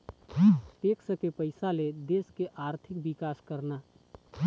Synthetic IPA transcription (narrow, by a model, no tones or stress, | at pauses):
t̪eksəkepəɪsaled̪eskeʔaːɾt̪ʰɪk̚bikaːskəɾna